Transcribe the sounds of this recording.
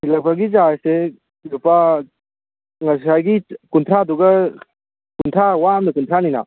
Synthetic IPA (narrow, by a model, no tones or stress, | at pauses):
silapʰaɡizase | lupʰa | ŋas̬ajɡikunt̪ʰɾaduɡɐ | kunt̪ʰɾawamdɐkuntʰɾanina̰